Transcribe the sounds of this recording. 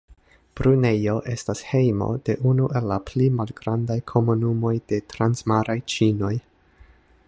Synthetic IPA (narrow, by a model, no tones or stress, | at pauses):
b̥ɾune̞jo̞ʔe̞stashe̞jmo̞̰d̥e̞ʔunuʔe̞lːaplimalɡɾandajkʰo̞munumo̞jd̥e̞tɾansmaɾajt͡ʃino̞j